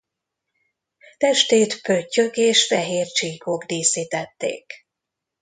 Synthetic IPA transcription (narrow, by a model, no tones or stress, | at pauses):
t̪ɛʃt̪eːt̪pøcːøkeːʃfɛɦeːrt͡ʃiːko̞ɡd̪iːsiːt̪ɛt̪ːḛːk